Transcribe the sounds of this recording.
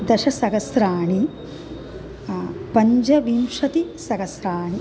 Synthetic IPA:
d̪ɐʃɐsɐɡɐsɾaːɳi | pɐɲd͡ʒɐʋimʂɐt̪isɐɡɐsɾaːɳi

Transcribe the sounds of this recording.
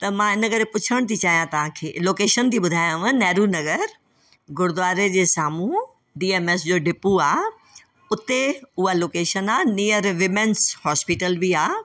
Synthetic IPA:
t̪ɐmãɪnə̆kɐɾepʊt͡ɕʰəɽ̃t̪ʰit͡ɕaːɦijãt̪ɐʋ̤ãkʰeːloːkeːʃənt̪ʰiːɓʊd̪ʱaːjãʋə̃nɛːɾunɐɡəɾ | ɡʊɽd̪ʋaːɾed͡ʑeːsaːmu | ɖiːeːmeːsd͡ʑoːɖʱɪpuaː | ʊt̪eʊɦaloːkeːʃənaːniːəɾʋɪmenshɔːspɪʈəlbiaː

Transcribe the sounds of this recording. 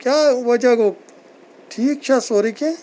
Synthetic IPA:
kjaːʋɐd͡ʒaɡo | ʈʰiːk̚t͡ʃʰasoːɾikẽ

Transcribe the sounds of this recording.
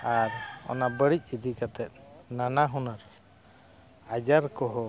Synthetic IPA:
aɾɔ̰nabəɽic̚ˀid̪ikat̪ɛt̪̚nanaɦunaɾ | ad͡ʒaɾkɔɦɔ

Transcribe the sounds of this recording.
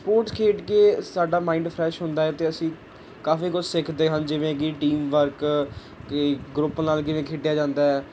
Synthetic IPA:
spoːɾʈskʰeːʈkeːsaːɖaːmaːiːɳɖpʰɾɛːʃɦʊnd̪aːɦɛːt̪eːəsĩː | kaːfiːkʊd͡ʒsɪkʰd̪eːɦənd͡ʒɪʋẽːkiːʈiːmʋəɾk | ɡɾʊpːnaːlkɪʋẽːkʰeːʈɪjaːd͡ʒãːnd̪aːɦɛː

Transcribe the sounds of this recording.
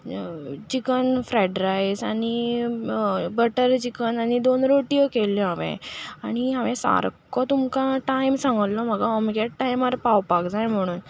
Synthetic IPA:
t͡ɕikənfɾɛɖɾajsaɽ̃i | bəʈəɾt͡ɕikənaɽ̃id̪onɾoʈiəkelːiɦaʋḛ̃aɽ̃iɦaʋẽsa̰ɾkːɔt̪umkãʈajmsãŋɡəllɔməɡaɔmiɡeʈʈajmaɾpawpakd͡zajm̤əɽ̃uːn

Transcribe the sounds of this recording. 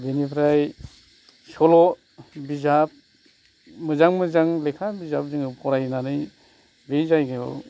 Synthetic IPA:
benipʰɾaj | sɔlɔ | bizap̚ | mɯzaŋmɯzaŋlekʰabizap̚zɯŋɯpʰɔɾajnanɯj | bejzajɡaɔ̰

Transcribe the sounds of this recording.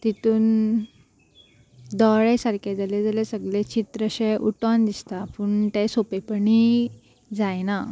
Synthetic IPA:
t̪it̪uːn | d̪ɔɭesaɾkʰad͡zaled͡zalesəɡlet͡ɕit̪ɾəɕeʔuʈɔnd̪ist̪apuːɳt̪esopepəɳi | d͡zajna

